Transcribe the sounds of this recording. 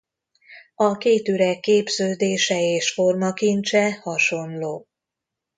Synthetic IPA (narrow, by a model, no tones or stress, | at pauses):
ɒkeːt̪yɾɛkːeːbzøːd̪eːʃɛeːʃfo̞rmɒkint͡ʃɛhɒʃo̞nloː